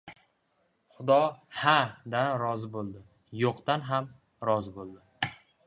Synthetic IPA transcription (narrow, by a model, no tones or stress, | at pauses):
χʊd̪ɒhad̪anɾɒzɪbolˠd̪ɪ | joqt̪anɦam | ɾɒzɪbolˠd̪ɪ